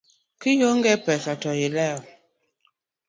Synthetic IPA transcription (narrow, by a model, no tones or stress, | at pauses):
kijoŋɡɛpɛsatɔjilɛɔ